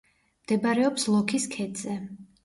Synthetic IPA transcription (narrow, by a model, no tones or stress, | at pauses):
md̪̥ɛbaɾɛɔpslˠɔkʰiskʰɛd̪z̥ɛ